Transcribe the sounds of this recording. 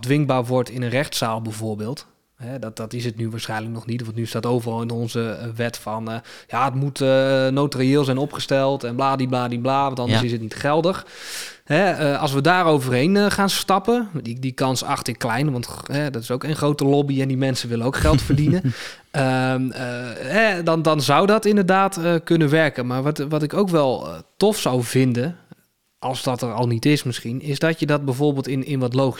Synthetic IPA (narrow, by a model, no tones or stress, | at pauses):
dʋɪŋbaːɹʋɔɹtɪnənrɛχtsaːlˠbɛjvʊːɹbɪːlˠt | ɦɛdɑtɪsətnyʋaːsχɛjnələk̚nɔχnitʋɑntnyɪstaːtowvərɑlˠɪnɔnzəʋɛtfɑnjaːətmutənowtriɪːlˠzɛjnɔpχəstɛlˠtɛnblaːdiblaːdiblaːʋɑntɑndəsɪsətnitχɛlˠdəχhɛəɑlˠsʋədaːɾowvərɦejnχaːnstɑpəidikɑnsɑ̰χtɪklɛjnʋɑntɦɛdɔtɪsowkenχrowtəlobiɛndimɛnsəʋɪlənowkχɛlˠtfərdinə | əəɦɛdɑndɑnzawdɔtɪndəɹdaːtəkɵnəʋɛɹkənmaːɹʋʋɑtɪkowkʋɛlˠtɔfsawvɪndən | ʔɑlˠzdɔtərɔlˠnitɪsmɪsχinɪzdɔtjədɔt̚bɛjvoːɹbeːlˠtɪnɪnʋɔtlowχi